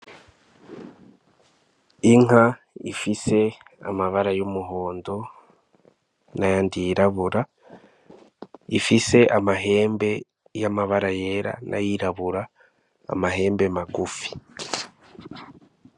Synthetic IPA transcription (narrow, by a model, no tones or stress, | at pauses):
iŋ̥a | ḭfise̞a̰maβaɾajomuɦo̞ːndo̞ | najandiɾaβuɾa | ifise̞ʔamaɦe̞ːmbe̞ | jamaβaɾaje̞ɾa̰nʔa̰jiɾaβuɾa̰ː | maɦe̞ːmbemaɡufi̥